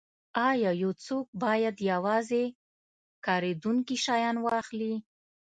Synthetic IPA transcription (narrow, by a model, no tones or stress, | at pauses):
ɑjɑjowt͡sok̚bɑjad̪jawɑze | kɑɾed̪uŋkiʃɑjɑnwɑxli